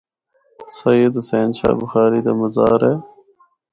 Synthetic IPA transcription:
sɐjəd̪seːnʃa̰ːbʊxaːɾiːd̪ɐmɐzaːɾeː

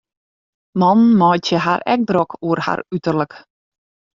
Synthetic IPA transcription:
mɔnmɔjtjəɦa̰rɛ̰k̚drɔkʰuərha̰rytərlək

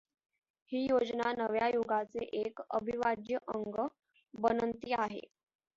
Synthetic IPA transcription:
hiːjod͡znanəʋjajoɡat͡seʔekə̰bʱiʋad̪jəʔəŋɡə | bənənt̪iːaɦḛ

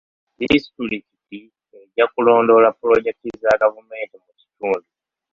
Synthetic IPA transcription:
dḭsi̥tuɾikiti | e̞ɟakulo̞ːndo̞lapːulo̞ɟe̞k̚tizaɡavume̞ːntimuci̥tuːndu

